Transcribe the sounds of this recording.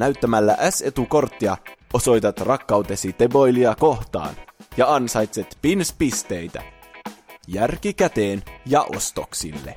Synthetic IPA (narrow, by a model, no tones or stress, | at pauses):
næyt̪ːæmælːæʔæse̞t̪uko̞rt̪ːiɑo̞so̞jt̪ɑt̪rɑkːɑuwt̪e̞sit̪ebo̞jliɑko̞ht̪ɑ̰ːnjɑɑnsɑjt̪set̪pinspist̪e̞jt̪æ̰ | jærkikæt̪e̞ːnjɑʔo̞̰st̪o̞̰ksḭlːe̞̰